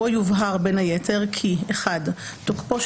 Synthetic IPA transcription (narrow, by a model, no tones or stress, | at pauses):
ojuvɦaʁbe̞najetʰe̞ʁkʰieχad | tokpo̞